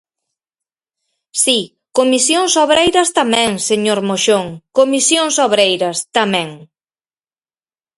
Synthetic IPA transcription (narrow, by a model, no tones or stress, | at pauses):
si | komisjoŋsoβɾejɾɐst̪amɛ̃ŋseɲoɾmoʃoŋkomisjoŋsoβɾejɾɐst̪amɛ̃ŋ